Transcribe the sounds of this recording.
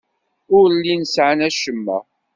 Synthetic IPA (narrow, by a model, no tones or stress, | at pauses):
ʊɾlːinsʕanæʃəmːæ̰